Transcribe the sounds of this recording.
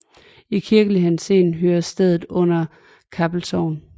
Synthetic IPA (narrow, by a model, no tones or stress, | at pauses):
ikʰiɐɡ̥əliɦensenɦøːɐsd̥eð̞̰ˠð̩ˠɔ̽n̰ɐ | kʰæb̥l̩sɒʊn